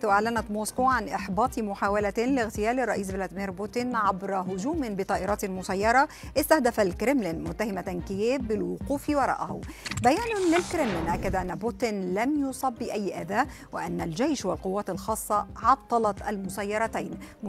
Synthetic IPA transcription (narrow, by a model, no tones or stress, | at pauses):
ʔaʕlanæt̪moskoːʕanʔɪħbɑːt̪ˤimʊħaːwalæt̪lɪɣt̪ɪjæːlɪrˤːɑʔiːs̬blæːd̪ɪmiːɾbʊt̪ɪnʕabɾˤɑɦʊd͡ʒuːmɪbɪt̪ˤɑːʔɪɾˤɑːt̪lmʊsɑjːɑɾˤɑʔɪst̪ahd̪æfalkɾɪmlɪnmʊt̪ːahɪmat̪nkɪjeːbːɪlwʊquːfwɑɾˤɑ̰ːʔahʊ̰bæjæːnʊlɪlkɾɪmlɪnʔækːad̪ʔanːabʊt̪ɪnlæmjʊsˤɑbːiʔæjːʔad̪æːʔ | wɪʔanːæld͡ʒejʃwalqʊwːæːt̪ɪlxɑːsˤːɑʕɑt̪ˤːɑlɑt̪ʔalmʊsɑjːɑɾˤɑt̪ajn